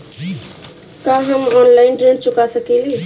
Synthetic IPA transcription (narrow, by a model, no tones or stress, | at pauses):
kaɦəmɔnlainʈɾent͡ʃukasəkili